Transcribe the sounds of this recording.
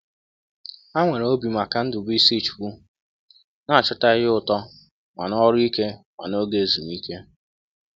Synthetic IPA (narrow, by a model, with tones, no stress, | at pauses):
a˦ŋʷe˨ɾo˦bi˨ma˨ka˦n̩˦dʊ˨bi˦si˦˨t͡ʃbu˦ | na˦˨t͡ʃʊ˦ta˦ɣɪ˦ʊ˨tɔ˦ | ŋa̰˨nɔ˦ɾi˦ke˦ŋa̰˨no˦ɡe˦˨zu˨m˦i˦ke˦